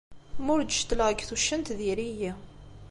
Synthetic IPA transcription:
mʊɾd̪ʃt̪ːləʁəɡθuʃːənt̪ðiɾiji

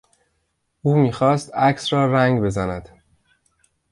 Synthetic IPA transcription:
ʔuːmiːxɒːst̪æcʰsɾɒːɾæŋɡbe̞zænæd̪̥

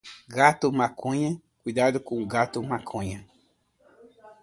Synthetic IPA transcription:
ɡat̪ʊmãkʰõɲɐ̃ | kud̪ad̪ʊkõɡat̪ʊmãkʰõɲɐ̃

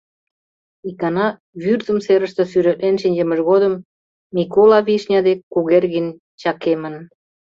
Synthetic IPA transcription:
ikɑnɑ | βyrzə̆mseɾə̆ʃt̪ə̆syɾet̪nenʃinʲd͡ʑemə̆ʃɣod̪ə̆mː | ikolɑβiʃnʲɑd̪ekːuɣerɣinʲ | t͡ɕɑkemə̆n

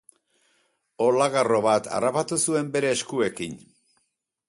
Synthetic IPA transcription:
o̞laɣaro̞βat̪ʰa̰rapat̪usue̞mbe̞ɾe̞ːskue̞kin

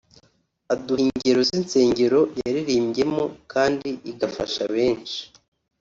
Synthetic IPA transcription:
aduhiɲɟe̞ɾo̞zint͡se̞ːɲɟe̞ɾo̞jaɾiɾiːmɟe̞mokaːndiʔiɡafa̰ʃa̰βe̞ːnt͡ʃi̥

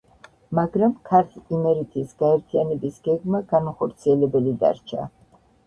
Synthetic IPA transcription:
maɡɾamkʰaɾt̪ʰimɛɾit̪ʰisɡ̥aɛɾt̪ʰianɛbisɡ̥ɛɡmaɡanaχɔɾt̪sʰiɛlɛbɛlid̪a̰ɾt͡ʃʰa̰

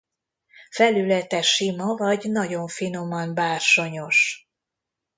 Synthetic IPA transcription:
fɛlylɛt̪ɛʃimɒvɒɟnɒɟo̞ɱfino̞mɒnbaːrʃo̞ɲo̞ʃ

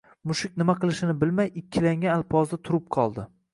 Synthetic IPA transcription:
mʊʃɪk̚ʲnɪmaqɨlˠɪʃɪnɪbɪlmajɪkʲʰːɪlaŋʲaalˠpʰɒzd̪at̪ʰʊɾɪp̚qʰɒlˠd̪ɪ

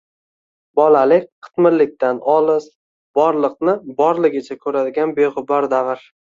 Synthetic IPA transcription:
bɒlalɪkʲqʰɨ̥t̪mɪɾlɪk̚ʲt̪anɒlˠɪz | b̥ɒɾlˠɨqnɪbɒɾlˠɪɡʲɪt͡ʃʰakʲʰɵɾad̪ɪɡʲanbeʁʊbaɾd̪avɪɾ

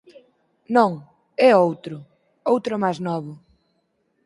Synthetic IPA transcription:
nõŋ | ɛowt̪ɾʊ | owt̪ɾʊmajznɔβʊ

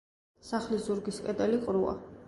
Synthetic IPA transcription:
saχlizuɾɡiskʼɛd̪ʼɛliqʼɾua̰

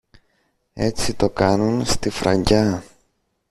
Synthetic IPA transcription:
e̞t͡sit̪o̞kɐnunst̪ifɾɐ̰ɲɟɐ

